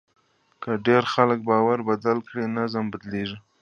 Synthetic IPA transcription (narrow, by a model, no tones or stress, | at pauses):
kaɖeɾxalək̚bɑwaɾbad̪alkɽinazmbad̪leʒi